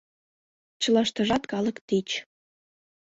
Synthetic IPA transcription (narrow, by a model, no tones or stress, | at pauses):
t͡ɕɤ̆lɑʃt̪ɤ̆ʒɑt̪kɑlɤ̆kt̪et͡ɕ